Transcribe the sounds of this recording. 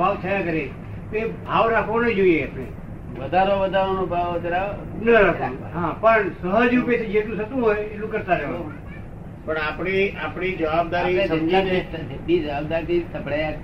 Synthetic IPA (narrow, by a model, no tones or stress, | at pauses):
bʱaʋt͡ʃ̪ʰəjakəɾe | t̪oebʱaːʋɾakʰʋõnəd͡ʒoieapɽḛ | ʋəd̪ʱaɾõʋəd̪ʱaɾonõbʱaʋʋəd̪ʱaɾa | nəɾakʰoñbɦãpəɳsəɦəd͡ʒjũpesid͡ʒet̪ũsət̪ũɦojelũkəɾt̪aɾəɦʋõ | pəɳapɳiapɳid͡ʒəʋaːb̚d̪aɾiẽsə̃nt̪aned͡ʒenid͡ʒəʋaːb̚d̪aɾt̪ʰisəbɽaja